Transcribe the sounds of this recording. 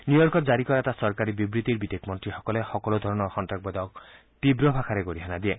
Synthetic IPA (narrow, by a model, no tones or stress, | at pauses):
njujɔɾkɔd͡ʒaɾikɔɾat̪asɔɾkaɾibibɾit̪iɾbid̪ekmɔnt̪ɾihɔkɔlehɔkɔlɔd̪ʱɔɾɔnɔɾxɔnʈɾak̚bɔd̪ɔk | t̪ibɾɔbʱakʰaɾeɡoɾiɦanad̪ie